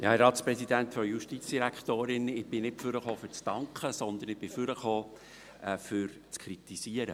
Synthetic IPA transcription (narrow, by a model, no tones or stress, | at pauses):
ɾɑːt̪spɾɛsid̪ænt̪fɔjuʃtit͡sd̥iɾækχt̪oːɾɪnɪb̥ɪnɪtfʏɾəχoːfʏɾt͡stɑŋkχəsɔnd̪ənɪb̥ɪfʏɾəχoː | fʏɾ | t͡skʰɾit̪isiəɾə̰